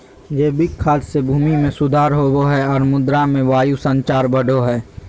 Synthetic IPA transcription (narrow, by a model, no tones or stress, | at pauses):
jeːbɪkʰːaːd͡ʒsebʱuːmimẽsʊd̪ʱaːɾɦoːɡoɦɛɔːɾmʊd̪ɾamẽʋaːjusə̃nt͡ʃaːɾbəɽʱoɦɛː